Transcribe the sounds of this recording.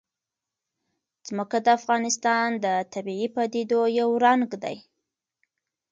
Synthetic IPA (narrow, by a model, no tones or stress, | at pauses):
z̥məkad̪əafɣɑnɪst̪ɑnd̪ət̪abiipad̪ed̪ojawɾaŋɡd̪a̰j